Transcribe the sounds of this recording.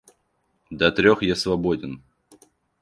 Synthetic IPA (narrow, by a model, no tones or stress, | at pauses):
d̪ɐt̪ɾʲoxjasvɐbodʲɪn